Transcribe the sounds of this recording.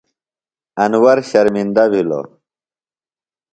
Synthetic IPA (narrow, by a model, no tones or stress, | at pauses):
ɐnwɐɾɕɐɾmind̪abʱilo̰